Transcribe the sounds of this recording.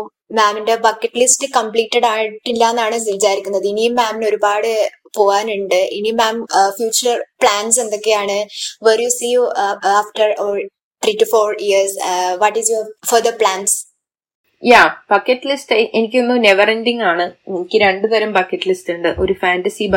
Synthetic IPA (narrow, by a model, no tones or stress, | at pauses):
maːmindebɐkːɐʈːlisʈɨkɐmpliːʈːɐɽaːjiʈːilːaːnːaːɳɨsiʋit͡ɕaːɾikʲːunːɐðɨinijumːaːmino̞ɾubaːɽɨ | po̞ːɣaːnuɳɖɨʔenijmaːmfjuːt͡ɕːɐrpɭaːnse̞nd̪o̞kːe̞jaːɳɨʋeːrjusiːjuaːfʈɐro | t̪ɾiːtːufoːɾiɐsʋɐʈːizjofɐd̪ɐpɭaːns | jaːbɐkːɐʈːɨlisʈɐʔenik̬ʲːonːɨneʋɐrendiŋaːɳɨenikʲːɨɾe̞ɳɖɨðɐɾɐmbɐkːɐʈːɨlisʈuɳɖɨʔoɾufaːnɖɐsib